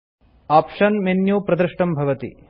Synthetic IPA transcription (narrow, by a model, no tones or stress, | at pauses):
aːpʂɐnmenjoːpɾɐd̪ɾɨʂʈɐmbʱɐʋɐt̪ḭ